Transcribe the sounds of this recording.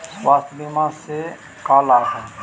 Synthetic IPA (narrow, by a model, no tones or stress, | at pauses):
swaːst̪bimãse | kaːlaːɦɛ